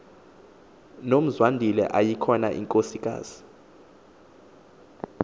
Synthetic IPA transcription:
nom̩zwandʱilɛ̰ʔajikʰɔna̰ʔḭŋkʼosikʼa̰ːz̥i

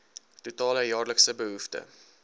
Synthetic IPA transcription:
tutɑːləjɑːrləksəbəɦuftə̰

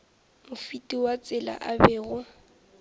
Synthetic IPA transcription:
mʊfitʼiwat͡sʼɪla̰ʔabɛːɣʊ

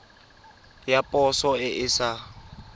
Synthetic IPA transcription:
japʼɔsɔɪʔɪsa

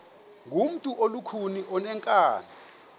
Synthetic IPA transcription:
ŋɡʱum̩tʼuʔolukʰuniʔɔnɛŋkʼaːni

